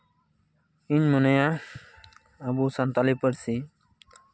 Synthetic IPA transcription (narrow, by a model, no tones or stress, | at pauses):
iɲmɔneja | abusant̪alipəɾsi